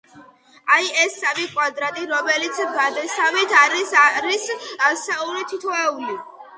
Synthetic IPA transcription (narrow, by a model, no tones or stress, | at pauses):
ajɛsːavikʼwad̪ɾat̪ʼiɾɔmɛlit̪sʰbad̪ɛsavit̪ʰaɾisɾissauɾit̪ʰit̪ʰɔɛuli